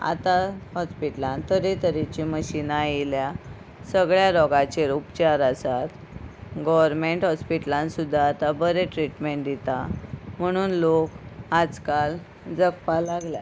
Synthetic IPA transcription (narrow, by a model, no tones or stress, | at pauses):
a̰t̪ahɔspiʈlãnt̪əɾet̪əɾit͡ɕiməɕinailja | səɡɭjaɾɔɡãt͡ɕeɾupt͡ɕaɾasat̪ | ɡɔʋəɾmeɳʈɦɔspiʈlãnsud̪ʱːaːt̪abəɾeʈɾiʈmeɳʈ̚d̪it̪am̤əɽ̃uːnlokad͡zkal | d͡zəkpalaɡlja̰